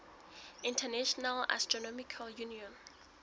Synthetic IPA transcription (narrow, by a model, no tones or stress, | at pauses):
ĩntʰɛnɛʃɔnala̰stɹɔnɔmikʰaljuniɔ̃n